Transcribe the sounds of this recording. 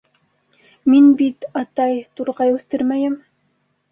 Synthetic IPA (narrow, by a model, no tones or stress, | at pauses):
minbit̪ɑt̪ɑjt̪uɾʁɑjʉθt̪ɘɾmæjɘm